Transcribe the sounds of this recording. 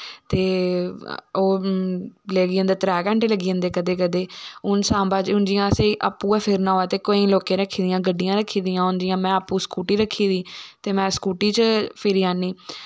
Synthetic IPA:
t̪eː | oː | leːɡiːə̃nd̪aːt̪ɾɛːkə̃ɳʈeːləɡiːə̃nd̪eːkəd̪eːkəd̪eːʊnsãːbaːd͡ʒʊnd͡ʒɪjãːəseʔaːpːuːɛːpʰɪɾnãːoɛːt̪eːkoːĩːloːkẽːɾəkʰːiːd̪ɪjãːɡəɖːɪjãːɾəkʰːiːd̪ɪjãːʊnd͡ʒɪjãːmɛ̃ːapːuːskuːʈiːɾəkʰːiːd̪iːt̪eːmɛ̃ːskuːʈiːt͡ʃpʰɪɾiːaːniː

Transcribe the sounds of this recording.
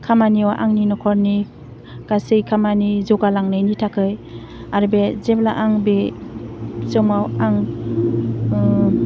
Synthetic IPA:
kʰamaniwaʔaŋninɔkʰɔɾni | kasɯjkʰamanizɔɡalaŋnɯjnitʰakʰɯj | aɾbezeblaʔaŋbe | sɯmawaŋ

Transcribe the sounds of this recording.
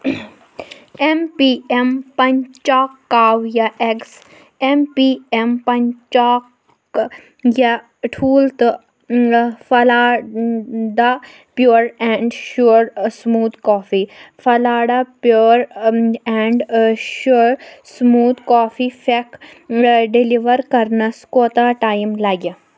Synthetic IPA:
empiempɐnt͡ʃaːkːaːwjaʔeks | empiempɐnt͡ʃaːk | ja | ʈʰuːlt̪ | fɐlaː | ɖ̪a | pjoːɾɛ̃ɳɖʃuɽsmuːd̪kɔːfifɐlaːɖapjoːɾɛɳɖʃuɽsmuːd̪kaːfifek | ɖiliʋəɾkɐɾnɐskoːt̪aːʈaːjimlaɡa

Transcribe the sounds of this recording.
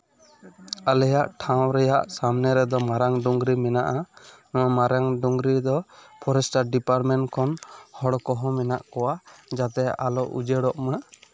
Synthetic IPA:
alɛjaʔʈʰaw̃ɾɛjaʔsamnɛɾɛd̪ɔmaɾaŋɖuŋɡɾimɛnaʔa | ɔwamaɾaŋɖuŋɡɾid̪ɔpʰɔɾɛsʈaɾɖipaɾmɛɳʈkʰɔnhɔɽkɔɦɔmɛnaʔkɔwad͡ʒat̪ɛa̰lɔʔṵd͡ʒɛɽɔʔmɛa

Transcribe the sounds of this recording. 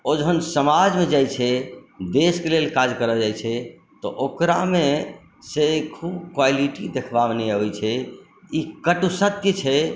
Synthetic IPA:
od͡ʒɦənsəmad͡ʒmed͡ʒajt͡ʃʰɛd̪eskelelkad͡ʒkəɾəd͡ʒajt͡ʃʰɛ | t̪ɔ̰ʔokɾamẽ | sekʰubkwaliʈid̪ekʰbabnɛəbɛt͡ʃʰɛ | ikəʈusət̪jət͡ʃʰɛ

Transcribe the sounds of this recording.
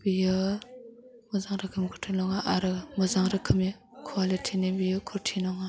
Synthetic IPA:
b̥ijɯ | mɔzaŋɾakʰɯmkʰɔtʰinɔŋaʔaɾɯmɔzaŋɾɯkʰɯmi | kʰwalitʰinibijɯkʰɔtʰinɔŋa

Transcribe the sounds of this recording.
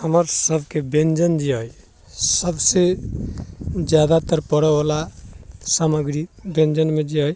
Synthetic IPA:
həməɾsəbʱkebend͡ʒənd͡ʒiɦəj | səbse | d͡ʒjad̪at̪əɾpəɽɛbalasaməɡɾibẽnd͡ʒənmed͡ʒiɦəj

